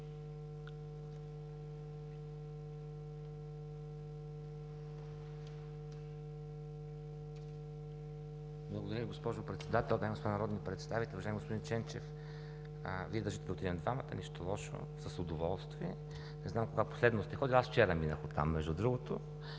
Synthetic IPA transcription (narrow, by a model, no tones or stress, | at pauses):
blˠəɡod̪ɐɾʲəviɡospɔʒʊpɾɛt̪sɛd̪at̪ɛlˠd̪aɡospod̪nɐɾɔd̪nipɾɛt̪st̪avit̪ɛluvɐʒajɛmiɡospod̪int͡ʃɛnt͡ʃɛf | əviɛd̪əɾʒit̪ɛb̪ot̪ʲiɛnd̪vamɐt̪ə̰nɛʃt̪olˠɔʃo̰ | səsʊd̪ovɔlˠst̪viɛ | nɛznamkoɡapo̥slɛd̪nost̪ɛxɔd̪ilasft͡ʃɛɾəminə̰xot̪ːa̰mːɛʒd̪ud̪ɾuɡʊt̪o